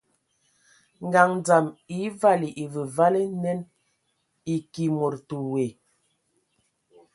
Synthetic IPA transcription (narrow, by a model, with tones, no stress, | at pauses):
ŋɡa˨ŋd͡za˨mi˨˦va˦li˨ʔi˨və˨va˦le˦nɛ˦n | i˨ki˨mo˨ɾtu˨we˨